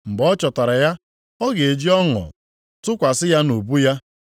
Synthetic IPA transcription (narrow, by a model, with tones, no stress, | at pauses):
m̩˨bɔ˦t͡ʃɔ˨ta˨ɾa˨ja˦ | ɔ˦ɡe˨e˨d͡ʒi˦ɔ˦ŋɔ̰˨ | tʊ˦kʷa˨sɪ˦ja˦no˨bu˦ja˦